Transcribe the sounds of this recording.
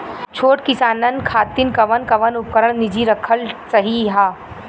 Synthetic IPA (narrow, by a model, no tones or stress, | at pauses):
t͡ʃʰoːʈkɪsaːnənkʰaːt̪ɪnkɐʋənkɐʋənʊp̚kəɾəɽ̃nɪd͡ʒiɾɐkʰəlsɐɦiɦaː